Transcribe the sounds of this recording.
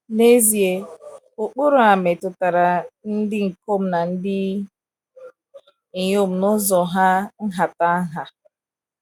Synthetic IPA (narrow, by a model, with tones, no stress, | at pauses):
ne˦zi˨e˨ | ʊ˨k͡pʊ˦ɾʊ˨a˨me˨tʊ˨ta˨ɾa˨n̩˦dɪ˦ŋ̩˨ko˦m̩˦na˨n̩˦dɪ˦ | i˨ɲ˦o˦m̩˨nʊ˦zɔ˨ɦa˦n̩˦ɦa˨ta˦ɦa˨